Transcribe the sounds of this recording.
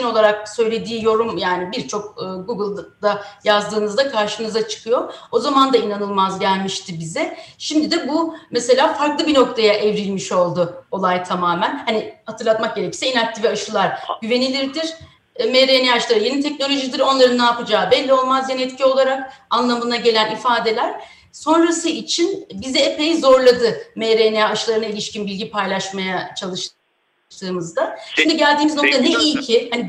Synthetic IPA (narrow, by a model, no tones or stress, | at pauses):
ino̞lˠaɾak̚sø̞jlʲe̞d̪iːjo̞ɾumjaːnibiɾt͡ʃʰo̞k̚ːɡuɡɯlˠd̪̥ajazd̪ɯːnɯzd̪akʰaɾʃɯnɯzat͡ʃʰɯ̥kʰɯjo̞o̞zamand̪ainanɯlˠmazɟælʲmiʃt̪ʰibizɛʃimd̪id̪ɛbumɛse̞lʲaːfaɾklˠɯbino̞k̚t̪ʰajaʔɛvɾilʲmiʃo̞lˠd̪ʊolˠajt̪ʰamaːmænhanihat̪ʰɯɾlˠat̪mak̚ɟe̞ɾecʰi̥sɛinak̚t̪ʰiviaʃɯlˠaɾ̥ɟyve̞nilʲiɾd̪iɾ̥ | meɾenijaʃlˠaɾɯjenit̪ʰɛc̚no̞lʲo̞ʒid̪ɯɾo̞nlˠaɾɯnːaːpɯd͡ʒaːbɛlʲːio̞lˠmazjanɛt̪cʰio̞lˠaɾak̚anlˠamɯnaɟe̞lʲænifaːd̪e̞lʲæɾ̥ | so̞nɾasɯit͡ʃʰinbizɛepejizo̞ɾlˠad̪ɯmeɾenijaːʃlˠaɾɯnailʲiʃcinbilʲɟipʰajlˠaʃmajat͡ʃʰalˠɯʃ | t̪ˠɯːmɯzd̪aʃimd̪iɟælʲd̪iːmizno̞k̚t̪ʰanɛilcʰɪhani